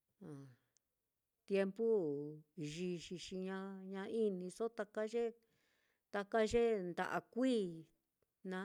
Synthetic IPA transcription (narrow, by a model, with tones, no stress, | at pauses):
ã˨ | t̪je˧mpu˦ | ʒi˧ʃi˧ʃi˧ɲã˧ɲã˧i˦nĩ˧so˦t̪a˧ka˦ʒe˦ | t̪a˧ka˦ʒe˦nd̪a̰˨ʔa̰˧kʷiː˦ | nã˧˦